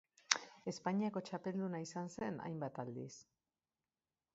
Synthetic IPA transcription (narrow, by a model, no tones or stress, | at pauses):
e̞spaɲiako̞t͡ʃape̞ld̪unaisanse̞na̰jmbat̪ald̪ḭs